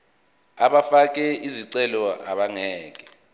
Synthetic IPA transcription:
aɓafak̬ʼɛiziǀɛlɔa̰ɓaŋɛːkʼɛ̥

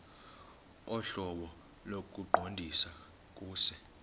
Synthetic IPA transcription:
ɔɬɔɓɔ | lok̬ʼuǃʱondʱisa | k̬ʼuːsɛ

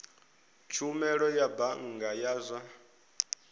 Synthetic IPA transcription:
t͡ʃʰumɛɺɔjabaŋ̩ɡajaːzʷa

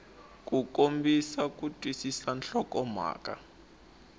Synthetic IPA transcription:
k̬ʼukʼombisak̬ʼutʼwisisanɬɔkɔma̰ːkʼa̰

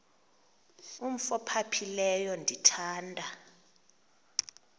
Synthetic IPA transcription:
um̩fɔpʰapʰilɛjɔndʱitʰaːndʱʼa

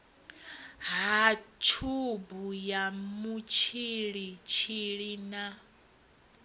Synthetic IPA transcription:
ɦat͡ʃʰubujamut͡ʃʰiɺit͡ʃʰiɺina

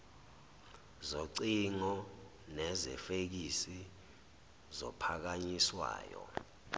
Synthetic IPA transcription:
zoǀiŋɔ | nɛzɛ̰fek̬isi | zɔ̰pʰak̬aɲiswa̰ːjɔ̰

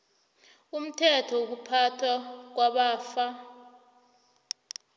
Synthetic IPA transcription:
um̩tʰɛtʰɔuk̬upʰatʰak̬waɓaːfa

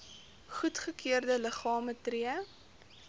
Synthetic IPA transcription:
χutχəkʰiərdələχɑːmətriə

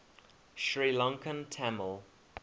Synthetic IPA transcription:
ʃɹilɔ̃ŋkə̃ntʰaməlˠ

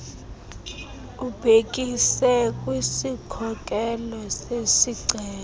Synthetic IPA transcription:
ub̥ʱek̬ʼisɛkʼwisikʰɔkʼɛlɔsesiǀʱɛːl

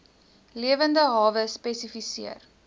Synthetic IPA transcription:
liəvəndəɦɑːvəspɛsifisḭər

